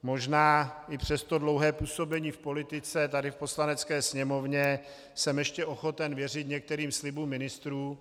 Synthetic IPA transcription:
mo̞ʒnaːɪpr̝̥ɛst̪o̞dlowɦɛːpuːso̞bɛɲiːfpo̞lɪt̪ɪt͡sɛt̪adɪfpo̞slanɛt͡skɛːsɲɛmo̞vɲɛ | sɛmjɛʃcɛʔoxo̞t̪ɛnvjɛrɪt̪ɲɛk̚t̪ɛɾiːmslɪbuːmːɪnɪst̪ɾuː

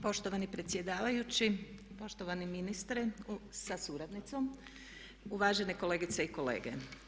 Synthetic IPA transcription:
po̞ʃt̪o̞ʋanipɾe̞t̪sje̞d̪aːʋajut͡ɕi | po̞ʃt̪oʋaniminist̪ɾesasuɾad̪nit̪so̞m | uʋaːʒe̞neko̞le̞ːɡit̪seiko̞lḛːɡḛ

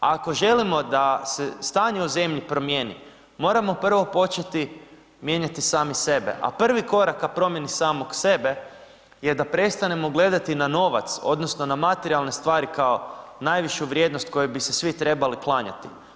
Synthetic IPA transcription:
ako̞ʒe̞limo̞d̪asest̪aːɲeuze̞mʎipɾo̞mje̞ːnḭ | mo̞ːɾamo̞pr̩ʋo̞po̞t͡ʃet̪i | mje̞ɲat̪isaːmise̞be̞̰ʔa̰pr̩ʋiko̞ɾakːapɾo̞mje̞nisaːmokse̞be̞ | je̞d̪apɾe̞st̪ane̞mo̞ɡle̞d̪at̪inano̞ʋa̰t̪so̞̰d̪nosno̞namat̪eɾialˠne̞st̪ʋaːɾikao̞najʋiʃuʋɾʲje̞d̪nost̪̚ko̞jubisesʋit̪ɾe̞baliklˠaːɲa̰t̪i̥̰

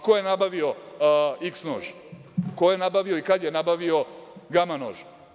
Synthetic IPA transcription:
kojenabaʋio | iksno̰ːʒ | kojenabaʋio̞ikad̪jenabaʋio̞ɡamano̰ːʒ

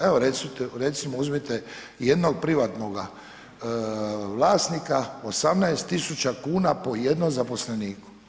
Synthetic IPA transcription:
eoɾet̪sit̪eɾe̞t̪simouzmet̪e | je̞d̪no̞ɡ̚pɾiʋat̪noɡa | ʋlˠaːsnikaosamnaest̪ːisut͡ɕakuːnapo̞jed̪nomzapo̞sleniːku̥

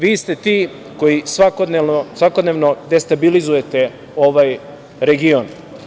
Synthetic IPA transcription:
ʋiːst̪e̞t̪iː | ko̞jisʋakod̪nenosʋako̞d̪neʋnod̪e̞st̪abilizuje̞t̪e | o̞ʋaj | ɾe̞ɡion

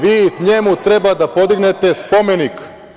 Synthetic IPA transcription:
ʋiːɲemut̪ɾe̞bad̪apo̞d̪iɡne̞t̪e̞spo̞me̞nik

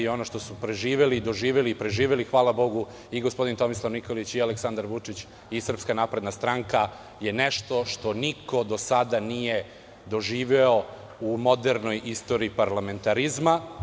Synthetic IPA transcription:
io̞noʃt̪o̞supɾe̞ʒiːʋe̞lid̪o̞ʒiːʋelipɾe̞ʒiːʋelixʋaːlabo̞ɡu | iɡospo̞d̪int̪o̞mislˠaʋnikolit͡ɕialeksand̪aɾʋut͡ʂit͡ɕ | isr̩pskanaːpɾe̞d̪nast̪ɾaŋka | je̞neʃt̪o̞ʂt̪o̞niko̞d̪o̞sad̪anije̞ | d̪o̞ʒiːʋeo̞ | umo̞d̪e̞ɾno̞jʔist̪o̞ɾiipaɾlame̞nt̪aɾizma

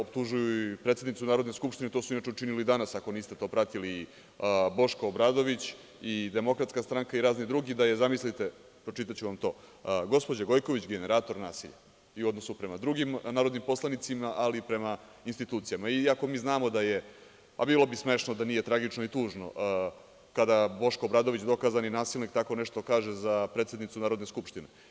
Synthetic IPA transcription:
opt̪uʒujuipɾet̪sed̪nit̪unaːɾo̞d̪neskupʃt̪inet̪o̞ːsuinat͡ʃeut͡ʃinilid̪anasako̞niːst̪e̞t̪o̞ːpɾat̪iliː | bo̞ʃkoobɾad̪o̞ʋit͡ɕ | id̪e̞mo̞kɾat̪skast̪ɾaŋkaiɾaːznid̪ɾuɡid̪aje̞zamislit̪e̞ | pɾot͡ʃit̪at͡ɕuʋamt̪o̞ːɡo̞spo̞d͡ʑaɡo̞jko̞ʋit͡ɕɡene̞ɾaːt̪o̞ɾna̰ːsiʎa̰ | iuod̪no̞supɾe̞mad̪ɾuɡimnaːɾod̪nimpo̞slˠanit̪simaʔalipɾe̞ma | inst̪it̪uːt̪sijamaiako̞miːznaːmo̞d̪aje̞ | a̰biːlˠo̞bisme̞ʃnod̪anije̞t̪ɾaɡit͡ʂnoit̪uːʒno̞̰ʔ | kad̪aboʃkobɾaːd̪o̞ʋit͡ɕd̪o̞kaːzaninaːsilnikt̪ako̞neʂt̪o̞kaːʒezapɾet̪sʲed̪nit̪sunaːɾo̞d̪neskupʂt̪ine

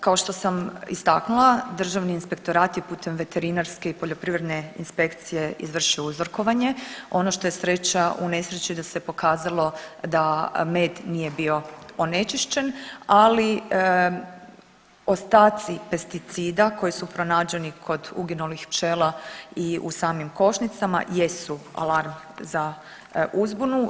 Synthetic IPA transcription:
kao̞ʃt̪o̞samḭst̪aknulˠad̪r̩ʒaʋniːnspe̞kt̪o̞ɾaːt̪jepuːt̪ʰe̞mʋe̞t̪e̞ɾinaɾske̞ipo̞ʎo̞pɾiʋɾe̞d̪ne̞ḭnspe̞kt̪sije̞izʋr̩ʃiouzr̩ko̞ʋaɲe̞o̞noʃt̪o̞jesɾe̞t͡ɕaʔune̞sɾet͡ɕid̪asepo̞kaːzalˠo̞d̪ame̞ːd̪nije̞bio̞one̞t͡ʃiʃt͡ɕe̞nali | o̞st̪aːt̪sipe̞st̪it̪siːd̪ako̞jisupɾo̞naːd͡ʑenikʰo̞d̪uɡinulixpt͡ʃelaiṵsaːmimko̞ʃnit̪sama̰je̞sua̰laɾm | za | ʔuzbunu

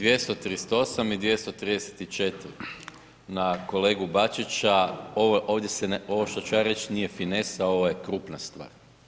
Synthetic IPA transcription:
d̪ʋjest̪ot̪ɾist̪oo̞samid̪ʋje̞st̪ot̪ɾiːd̪ese̥t̪it͡ʃe̞t̪ɾi | nako̞le̞ːɡubat͡ʃit͡ʃaoʋoʔo̞ːʋd̪je̞seno̞ʋoʃt̪ot͡ʃujaɾe̞t͡ʃnije̞finesao̞ʋoje̞kɾuːpnast̪ʋa̰ːɾ

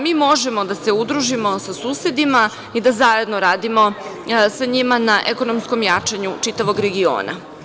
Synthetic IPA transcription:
miːmo̞ʒemo̞d̪ase̞ud̪ɾuʒimo̞sasuːsed̪ima | id̪azaje̞d̪no̞ɾaːd̪imo̞ | saɲimanaʔeko̞nomsko̞mjaːt͡ʂaɲut͡ʂit̪aʋo̞ɡɾe̞ɡio̰ːna̰

